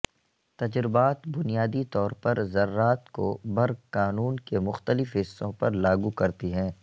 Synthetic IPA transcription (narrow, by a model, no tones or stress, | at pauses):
t̪ɐd͡ʒɾɪbaːt̪bʊnijaːd̪it̪ɔːɾpɐɾzɐɾːaːt̪kobɐɾɡkaːnuːnkemʊxt̪əlɪfɦɪsːõpɐɾlaːɡukɐɾt̪iɦɛ̃ː